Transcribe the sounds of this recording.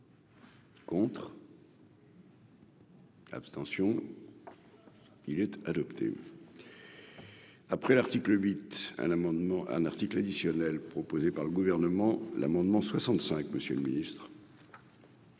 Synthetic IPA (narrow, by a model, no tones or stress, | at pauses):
kɔ̃t̪χ | a̰pst̪ɑ̃sjɔ̃ | ilɛt̪ad̪ɔpt̪ʰḛ | apχɛlaʁt̪ikləɥit̪ɛ̰̃mɑ̃d̪mɑ̃ʔɛ̰̃naʁt̪iklad̪isjɔnɛlpχɔpozepaʁləɡuvɛʁnəmɑ̃la̰mɑ̃d̪mɑ̃swasɑ̃t̪sɛ̃kməsjələminist̪χ